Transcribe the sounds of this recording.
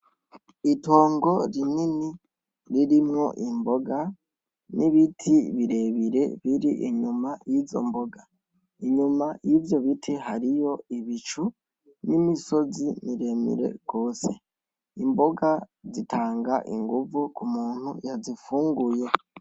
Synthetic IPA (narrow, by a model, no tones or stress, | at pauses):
ito̞ːŋɡo̞ɾinini | ɾiɾimŋo̞̰ʔimboɡa | niβitʰiβiɾe̞βiɾe̞̰βiɾiʔiɲumajizo̞̰mbo̞ɡa | iɲumajivjo̞βitʰeɦaɾijo̞iβit͡ʃu | nimiso̞zimiɾe̞mḭɾe̞̰ɡ̥o̞ːse | imbo̞ɡazitaːŋɡaʔḭŋɡuvukumuːn̥hujazifuːŋɡuje̞